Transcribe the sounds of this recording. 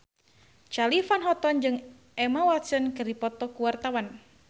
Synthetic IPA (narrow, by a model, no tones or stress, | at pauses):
t͡ʃalifanɦɔt̪ɔnd͡ʒɨŋ | ɛmawat̪sənkɨripɔt̪ɔkuwart̪awan